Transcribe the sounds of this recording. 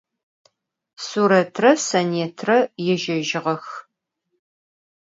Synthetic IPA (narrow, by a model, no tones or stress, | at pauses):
suɾɐtʰrɐsɐneːtʰrɐjɛʒɐʒɪʁɐx